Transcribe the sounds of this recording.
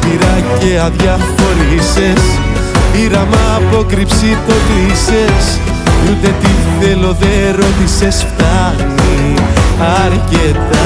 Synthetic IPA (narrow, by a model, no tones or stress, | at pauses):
piɾɐceɐðʝɐfo̞ɾise̞s | iɾɐmɐːpo̞kɾipsipo̞t̪ise̞s | jut̪e̞t̪iθelo̞ðeɾo̞t̪ise̞sft̪ɐɣni | ɐɾcet̪ɐ